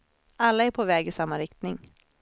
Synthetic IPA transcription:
alːaæɾpʰɔvɛːɡɪsamːaɾɪkt̪nɪŋ

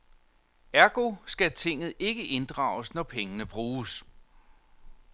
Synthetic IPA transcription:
æɐɡ̥o̝sɡ̥æt͡sʰe̝ŋ̰ð̩ˠʔe̝ɡ̥əʔe̝nd̥ʁɑ̰̈ːʊsnɒpʰeŋənəb̥ʁuːs

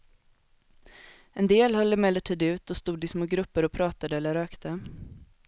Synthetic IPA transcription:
ɛnd̪eːlhɔlːəmɛlːəʈʰiːd̪ʉ̟ːt̪ɔst̪uːd̪ɪsmoːɡɾɵpːəɾɔpʰɾɑːt̪ad̪əɛlːəɾøːkt̪ʰə

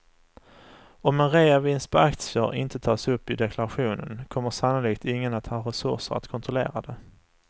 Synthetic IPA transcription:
ɔmɛnɾeːavɪns̚b̥ɛakt̪sɪəɾɪ̰nt̪ʰət̪ʰɑːsɵpːɪd̪ɛkʰlaɾaɧuːnə̰nkʰɔmːəʂanʊliːkt̪ɪŋːənat̪hɑːɾɛsɵ̰ʂə̰ɾa̰t̪kʰɔnt̪ɾʊlḛːɾad̪ɛ

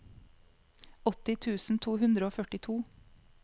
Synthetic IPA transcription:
ɔt̪ɪt̪ʰʉːsn̩t̪ʰuːhʉnd̪ɾəoːfœʈɪt̪ʰuː

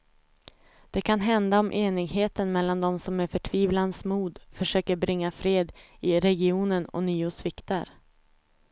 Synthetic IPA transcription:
d̪̥ɛkʰan̪ɦɛnd̪aɔmʔeːnɪɡheːt̪ənmɛlːand̪ɔmsɔmæɾfœʈʰviːvlansmuːd̪fœʂøːkəɾbɾɪŋːafɾeːd̪ | ɪɾɛɡɪuːnənɔ̰nyːʊsvɪkt̪a̰ɾ

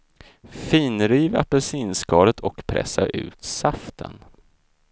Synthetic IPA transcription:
fiːnɾiːva̰pɛsiːnskɑːɾət̪ʰɔkpʰɾɛ̰sːaɾʔʉ̟̰ːt̪saft̪ʰə̰n

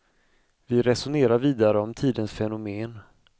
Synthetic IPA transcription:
vɪɾɛsʊneːɾaɾviːd̪aɾəɔmt̪ʰiːd̪ənsfɛnʊmeːn

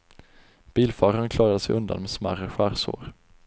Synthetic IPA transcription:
b̥iːlfɑːɾankʰlɑːɾad̪əsɛjʔɵnd̪a̰nmɛːsmæ̰ɾəɧæːɾso̰ːɾ

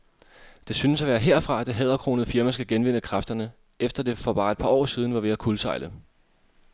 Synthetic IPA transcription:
d̥e̝synəsæʋæːɐɦe̝ɐ̰fʁɑ̈æd̥e̝ɦɛð̞ˠɐkʰʁo̝ːnð̩ˠfiɐmæsɡ̥æɡ̥enʋen̰əkʰʁɑfd̥ɐnə | ʔefd̥ɐd̥e̝fɒ̽b̥ɑ̈ːe̝d̥̚pʰɑ̈ɒ̰ːsiːð̞ˠn̩ʋɑ̈ʋe̝ækʰulsɑ̈ɪlə

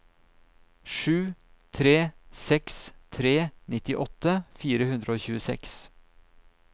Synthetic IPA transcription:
ʂʉː | t̪ʰɾeːsɛkst̪ʰɾeːnɪt̪ɪʔɔt̪ːəfiːɾəhʉnd̪ɾəoːçʉːəsɛ̰ks

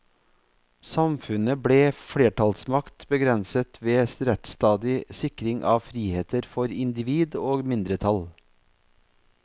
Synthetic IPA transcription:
sɑmfʉnəbɽeːfɽeːʈʰɑlsmɑkt̪bəɡɾɛnsət̪ʰʋeːsɾɛt̪st̪ɑːd̪ɪsɪkɾɪŋʔɑːʋfɾiːheːt̪əɾfɔɾɪnd̪ɪʋiːd̪oːɡmɪnd̪ɾət̪ʰɑl

